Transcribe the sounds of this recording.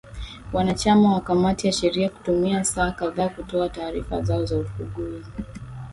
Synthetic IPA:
wanat͡ʃamawakamatijaʃɛɾiaku̥tumiasaːkaðaːkutɔataːɾifa̰zaɔzaufuɠui

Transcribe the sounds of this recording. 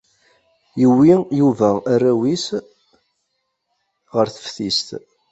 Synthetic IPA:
jəwːijuvæːræwis | ʁəɾθə̥fθist̪

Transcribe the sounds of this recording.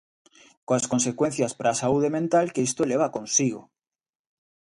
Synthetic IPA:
koaskonsekwen̟θjaspɾaːsauðemẽnt̪alkeist̪oeleβ̞akonsiɣ̞o̰

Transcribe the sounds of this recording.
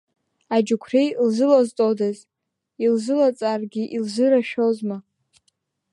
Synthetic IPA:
ad͡ʒukʷʰrejlzɨlaztʼodaz | ilzɨlat͡sʼarɡʲɪʔilzɨɾaʃᶣozma

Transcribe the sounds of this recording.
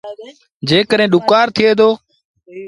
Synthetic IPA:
d͡ʒeːkəɗẽːɗʊkaːɾt̪ʰɪeːd̪oː

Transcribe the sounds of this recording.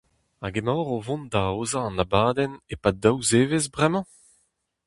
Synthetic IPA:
aɡemaːʁovɔ̃nd̪aoːzaɑ̃nabaːd̪ɛnepad̪awzeːvezbʁɛmɑ̃

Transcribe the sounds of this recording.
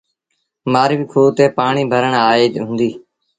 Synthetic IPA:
maːɾʋiːkʰoːt̪eːpaːɳiːbʱəɾəɳaːeːɦʊ̃nd̪iː

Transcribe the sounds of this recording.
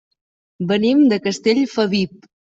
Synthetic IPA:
bənimd̪əkəst̪eʎfəβip̚

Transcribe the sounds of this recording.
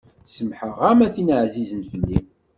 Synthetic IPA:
səmħəʁæmæθinəʕzizənfəlːim

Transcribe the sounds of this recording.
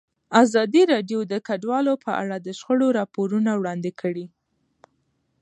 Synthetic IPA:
azɑd̪iɾɑɖjod̪əkaɖwɑlopəʔa̰ɽad̪əʃxəɽoɾɑpoɾunawɽɑnd̪ekʰəɽi

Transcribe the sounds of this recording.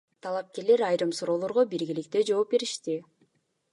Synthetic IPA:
t̪ʰɑlˠɑp̚ke̞ɾle̞ɾɑjɾɯmsuɾo̞ːlˠo̞ɾʁobiɾɡilik̚t̪ed͡ʒo̞ːp̚be̞ɾiʃt̪i

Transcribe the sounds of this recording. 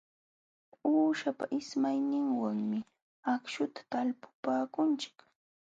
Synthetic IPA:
uːʃapa̰ʔɪsmajnɪŋwaŋmɪ | akʃʊt̪ḁt̪alpʊ̥paːkʊnt͡ʃɪ̥k

